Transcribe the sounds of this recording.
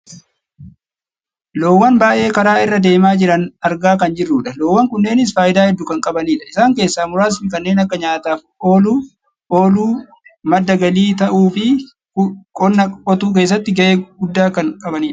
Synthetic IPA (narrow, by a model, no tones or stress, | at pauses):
loːwːɐnbaːʔe̞ːkɐɾaːɪrːɐd̪e̞ːmaːd͡ʒɪɾɐnɐɾɡaːkɐnd͡ʒɪrːuːᶑɐloːwːɐŋkʊnːe̞ːnɪs̬faːjɪd̪aːhɛd̪ːʊkɐŋkʼɐbɐniːᶑɐɪsaːŋke̞ːsːaːmʊɾaːsmɪkɐnːe̞ːnɐkːɐɲaːt̪aːf | o̞ːluː | ʔo̞ːluː | mɐd̪ːɐɡɐliːt̪ɐʔuːfɪ | kʼɔnːɐkʼɔt̪uːk̬e̞ːs̬ːɐt̪ːɪɡɐʔeːɡʊd̪ːaːkɐŋkʼɐbɐniːᶑɐ̥